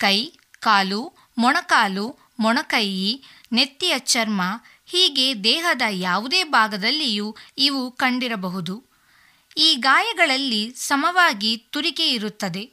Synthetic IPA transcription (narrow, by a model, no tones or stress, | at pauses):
kɐj | kaːlu | mɔɳɐkaːlu | mɔɳɐkɐji | ne̞t̪ːijɐt͡ʃɐɾmɐ | hiːɡe̞d̪ɛːɦɐd̪ɐjaːʋud̪eːbʱaːɡɐd̪ɐlːijuiʋukɐɳɖiɾɐbɐɦud̪u | iːɡaːjɐɡɐɭɐlːisɐmɐʋaːɡit̪uɾike̞iɾut̪ːɐd̪e̞